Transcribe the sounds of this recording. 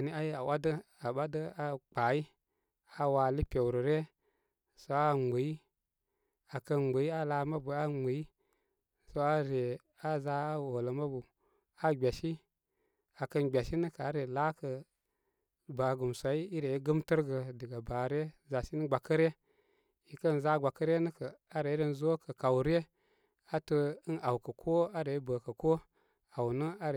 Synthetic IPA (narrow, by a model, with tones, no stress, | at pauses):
a˨ni˦a˦ji˦a˨wʔa˦də˦a˨ɓa˦də˦a˦k͡pa˨ji˦ | a˨wa˨li˦pʲe˨wɾə˨ɾe˦ | so˦a˦ŋ͡me˨i˦ | a˨kə˦n˨ə˨i˦a˦la˨˦ma˦bu˨a˦ŋ͡mu˨i˦ | so˦a˦ɾe˨ | a˦za˦a˦wo˨lə˨ma˦bu˨ | a˦ɡ͡bʲa˨ʃi˦ | a˨kə˦nɡ͡bʲa˨ʃi˦nə˦kə˨a˨˦ɾe˨la˦kə˨ | ba˨ɡu˨msa˨i˦i˦ɾe˨i˦ɡə˦mtə˦ɾɡə˨də˨ɡa˨ba˨ɾe˦ | za˨si˦n˦ɡ͡ba˨kə˦ɾe˦ | i˨kə˦nza˦ɡa˨kə˦ɾe˦nə˦kə˨a˦ɾe˨˦ɾə˦n˦zo˦kə˨ka˨wɾe˦ | a˦tə˦ə˦na˨wkə˨kʰo˦a˦ɾe˨˦bə˨kə˨ko˦ | a˨wnə˦a˦ɾ